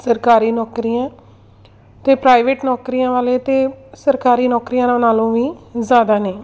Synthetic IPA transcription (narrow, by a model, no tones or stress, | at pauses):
səɾkaːɾiːnɔːkɾiːjãː | t̪eːpɾaːɪʋeːʈnɔːkɾiːãːʋaːleːt̪eːsəɾkaːɾiːnɔːkɾiːjãːnãːnaːlõːʋiːzaːd̪aːneː